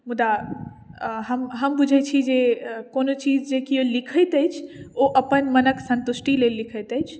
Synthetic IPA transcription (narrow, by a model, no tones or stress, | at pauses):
mud̪a | ɦəmɦəmbud͡ʒʱɛt͡ʃʰid͡ʒekonot͡ʃid͡ʒd͡ʒekiolikʰəjt̪əjt͡ʃʰoʔəpənmənəksə̃nt̪usʈilelːikʰət̪əjt͡ʃʰ